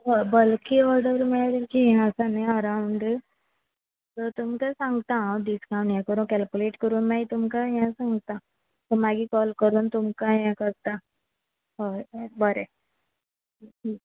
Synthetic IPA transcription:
bəlkiɔɾɖəɾmedikijɦãsanẽəɾãʊɳɖ | t̪ot̪umkasãŋɡt̪aɦãɖiskãw̃ɳʈjãkəɾũkɛlkjuleːʈkəɾuːnmɛ̃it̪umkajãsãŋɡt̪a | t̪omaɡikɔlkəɾuːnt̪umkajãkəɾt̪a | ɔbəɾe

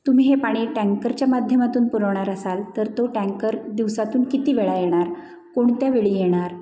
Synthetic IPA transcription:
t̪um̤iːɦepaɽ̃iʈɛ̃ŋkəɾt͡ɕjamad̪ʱjəmat̪uːnpuɾəʋɳ̃aɾəsalt̪əɾt̪oʈæ̃ŋkəɾd̪iʋsat̪uːnkit̪iːʋeɭajeɽ̃aɾ | koɳt̪jaʋeɭiːjeɽ̃aɾ

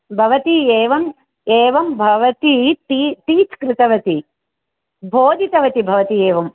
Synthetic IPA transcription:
bʱɐʋɐt̪ieːʋɐm | eːʋɐmbʱɐʋɐt̪it̪it̪iːt̪kɾɪt̪ɐʋɐt̪i | bʱoːd̪ʱit̪ɐʋɐt̪ibʱɐʋɐt̪ieːʋɐm

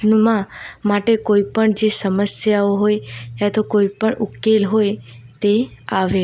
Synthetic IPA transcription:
nmãmaʈekoipəɳd͡ʒesəməsjaoɦojat̪okoipəɳʔukelɦojt̪eaʋe

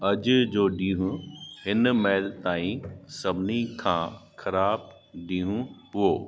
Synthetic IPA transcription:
ɐd͡ʑʊd͡ʑoːɗĩːɦũhɪnmɛːlt̪aːĩsɐbʱnikʰãːxʰɐɾaːb | ɗĩːɦũpʊoː

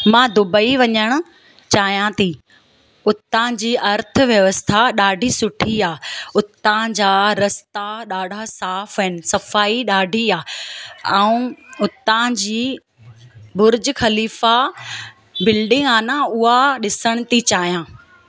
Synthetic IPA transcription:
mãːd̪ʊbəiʋɐɲəɽ̃ʊ̆ | t͡ɕaːɦjãt̪ʰi | ʊt̪ːãd͡ʑiːʔɐɾt̪ʰʊ̆ʋjɐʋəst̪ʰaɗaːɖʱisʊʈʰiaːʊt̪ãd͡ʑaːɾɐst̪aɗaːɖʱasaːfɐɪnɪ̆sɐfaːiɗaːɖʱiaːɛ̃ũʊt̪ːãd͡ʑiː | bʊɾd͡ʑxɐliːfa | bɪlɖɪ̃ŋaːnãʊɦaɗɪsəɽ̃ʊt̪it͡ɕaːɦjãː

